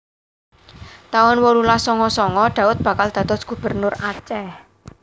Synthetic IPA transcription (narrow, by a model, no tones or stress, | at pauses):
t̪aɔnwɔlulasɔŋɔsɔŋɔd̪̥a̤ʊt̪̚b̥ä̤kald̪̥a̤t̪ɔsɡ̥ṳb̥ə̤rnʊrat͡ʃɛh